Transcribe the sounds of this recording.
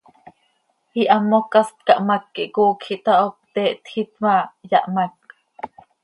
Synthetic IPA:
iʔamokast̪̚kaʔmakːiʔkuːkʰiʔt̪aʔop̚t̪ɛʔt̪xit̪majaʔmak̚

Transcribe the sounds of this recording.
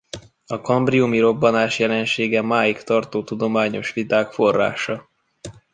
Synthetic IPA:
ɒkɒmbriumiɾo̞bːɒnaːʃjɛlɛnʃeːɡɛmaːjikt̪ɒrt̪oːt̪ud̪o̞maːɲo̞ʃʋit̪aːkfo̞rːa̰ːʃɒ

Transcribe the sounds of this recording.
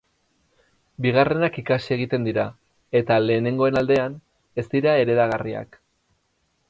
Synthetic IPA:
biɣ̞are̞nakikasie̞ɣ̞it̪e̞nd̪iɾa | e̞t̪ale̞ːne̞ŋɡo̞e̞nald̪e̞an | e̞st̪iɾae̞ɾe̞ðaɣ̞aria̰k

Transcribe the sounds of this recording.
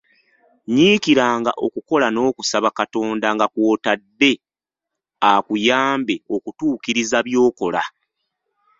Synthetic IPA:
ɲiːkiɾaːŋɡaʔo̞kuko̞lano̞ːkusaβakato̞ːndaŋɡakwo̞ːtadːe̞ | akujaːmbe̞o̞kutuːkiɾizaβjo̞ːko̞la̰

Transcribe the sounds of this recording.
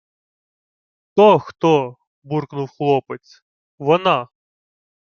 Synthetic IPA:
t̪ɔxt̪ɔ | burknʊwxlˠɔpet͡sʲ | ʋɔnɑ

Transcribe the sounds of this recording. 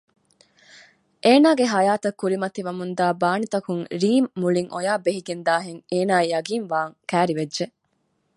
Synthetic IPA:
ʔeːnaːɡeɦɐjaːt̪ɐkːuɾimɐt̪iʋɐmund̪aːbaːnit̪ɐkuŋɾiːmːuɭiŋʔojaːbeɦiɡend̪aːɦeŋeːnaːijɐɡiːnʋaːŋkæːɾiʋedʒe

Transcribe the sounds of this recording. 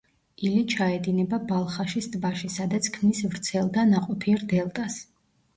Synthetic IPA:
ilit͡ʃʰaɛd̪inɛbabalˠχaʃist̪ʼbaʃisad̪at̪sʰkʰmnisvɾt̪sʰɛlˠd̪anaqʼɔpʰiɛɾd̪ɛlˠt̪ʼas

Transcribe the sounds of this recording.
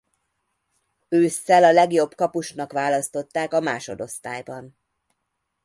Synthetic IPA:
øːsːɛlɒlɛɡjo̞bkɒpuʃnɒkʋaːlɒst̪o̞t̪ːaːkɒmaːʃo̞d̪o̞st̪aːjbɒn

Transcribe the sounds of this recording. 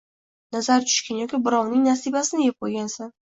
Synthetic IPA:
nazaɾt͡ʃʰʊ̥ʃkʲanjɒkʲɪbɪɾɒwnɪŋnasibasɪnɪjep̚qʰojɡʲansan

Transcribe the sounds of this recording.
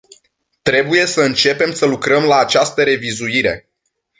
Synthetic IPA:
t̪ɾe̞buje̞səɨnt͡ʃe̞pe̞msəlukɾəmlaːt͡ʃast̪əɾe̞vizuiɾe̞̰

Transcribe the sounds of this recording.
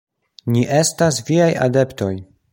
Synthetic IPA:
niʔe̞stas̬viaja̰de̞pto̞j

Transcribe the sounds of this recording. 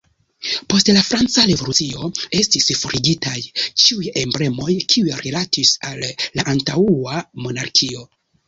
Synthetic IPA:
po̞stlafɾant͡saɾevo̞lut͡sio̞e̞stisfoɾʔiɡitajt͡ʃiujembɾe̞mo̞jkʰiujɾelatʰisalːaʔantauamo̞naɾkʰio̞

